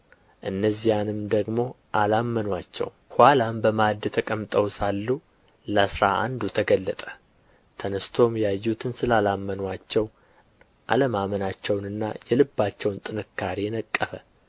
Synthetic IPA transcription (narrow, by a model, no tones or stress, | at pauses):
ʔɨnːəzijanɨmd̪əɡmo̞ | ʔalamːənwat͡ʃːɛ̰w | hwalambəmad̪ɨt̪ʰəkʼəmt̪ʼəwsalːu | lasɾa̰ʔa̰nd̪ut̪ʰəɡəlːət̪ʼə̥ | t̪ʰənɨst̪ʰo̞mjajːut̪ʰɨnsɨlalamːənwat͡ʃːɛw | ʔa̰ləmamənat͡ʃːɛwnɨnːa̰jɛlɨbːat͡ʃːɛwnt̪ʼɨnɨkːaɾenəkʼːəfə